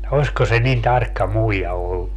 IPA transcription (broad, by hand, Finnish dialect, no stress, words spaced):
osko se nin tɑrkːɑ muijɑ olːu